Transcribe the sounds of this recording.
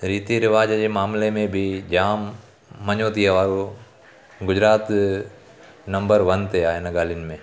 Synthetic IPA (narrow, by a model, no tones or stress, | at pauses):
ɾiːt̪iɾɪʋaːd͡ʒd͡ʒemaːmlemẽbʱid͡ʒaːmː | ɐɲoːt̪iɦɐʋaːɾu | ɡʊd͡ʒɾaːt̪ | nɐ̃mbəɾʋɐnt̪eaːɦenɐɡaːlɪnmẽ